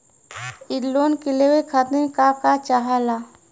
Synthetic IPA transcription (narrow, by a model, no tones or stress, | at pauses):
ɪɾloːnkelewekʰat̪nẽkakat͡ʃaɦala